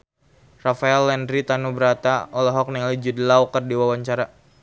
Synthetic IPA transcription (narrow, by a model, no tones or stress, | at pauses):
rafaɛlːɛndɾit̪anubəɾat̪aɔlɔɦɔk̚niŋalid͡ʒud̪əlawkərdiwawaɲt͡ʃaɾa